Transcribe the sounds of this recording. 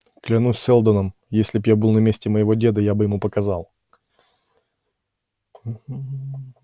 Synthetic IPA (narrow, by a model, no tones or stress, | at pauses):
klʲɪnusʲːɛlˠd̪ənəm | jesʲlʲɪbjabɨlˠnɐmʲesʲtʲɪməjɪvo̞dʲe̞d̪əjabɨjɪmupəkɐzɑlˠ | m̩